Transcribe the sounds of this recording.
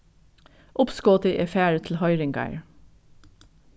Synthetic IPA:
ʔʊpskoːt̪əʔeːfæːɹət̪ʰl̩hɑʏɹɪŋɡɑ̰ɪɹ

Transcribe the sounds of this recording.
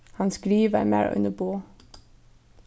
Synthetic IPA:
hɑnsɡ̥ɾiːʋæmæ̰ːɹʔʉ̰nəboː

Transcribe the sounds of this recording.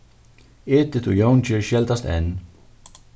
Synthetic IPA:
eːt̪ɪt̪ʰujownt͡ɕɪɹɕjɛlt̪ast̪ɛ̰n

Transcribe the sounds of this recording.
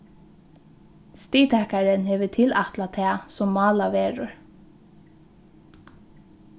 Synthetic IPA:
st̪iːt̪ʰɛkaɹɪnhɛːʋət̪ʰɪlaht̪lat̪ʰɛːsɔmːɑːlaʋeːɹʊɹ

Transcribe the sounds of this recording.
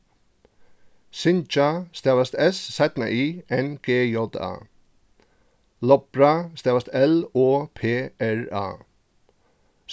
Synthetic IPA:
sɪnt͡ʃast̪ɛʋast̪ɛsːɛt̪na̰ʔiːɛnɡ̥eːjɔd̪a̰ː | lɔpɹast̪ɛːvast̪ɛloːpʰeːɛɹa̰ː

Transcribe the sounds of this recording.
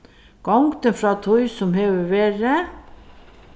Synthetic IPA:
ɡ̥ɑŋɡt̪ənfɾɑːt̪ʰɔʏsɔmheːʋəʋeːɾə

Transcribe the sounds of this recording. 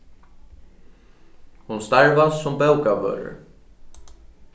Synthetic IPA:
hunst̪aɹvanssʊmpɛwkavœ̰ːɾʏ̰ɹ

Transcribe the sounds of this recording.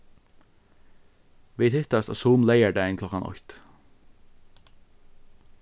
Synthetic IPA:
ʋiːt̪ʰɪt̪ɑst̪ɑ̰suːmleɪəɖæːɪnkʰlɔkɑnʔɔ̰çt̪

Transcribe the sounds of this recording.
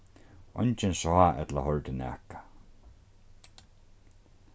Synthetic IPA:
ɔ̰ɲt͡ʃɪnsɔaʔɛ̰t̪la̰ɦɔlt̪ɪnɛ̰a̰ːkḁ

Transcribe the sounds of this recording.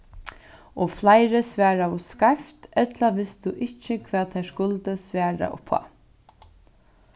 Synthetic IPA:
ɔflajɾəsʋæːɾaɔskaft̪ɛt̪laʋɪst̪ʊʔɪt͡ʃːɪkʰvæːðt̪ʰajskʊlt̪əsʋæːɹa̰ʔʊ̰pʰa̰

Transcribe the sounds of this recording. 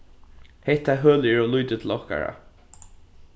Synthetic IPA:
hɛht̪ːaɦøːlɪɪɹɔlujt̪ɪt̪ʰɪl̩ɔhka̰ɹa̰

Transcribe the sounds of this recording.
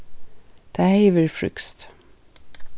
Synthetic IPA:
d̪̥æheɪʋəɹfɹʏ̰kst̪

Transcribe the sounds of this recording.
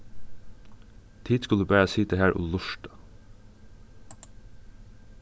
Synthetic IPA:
t̪ʰiːd̪skɑlʉːbæːɹəsɪːt̪əhæːɹʔo̰ːlʊʃʈə̥

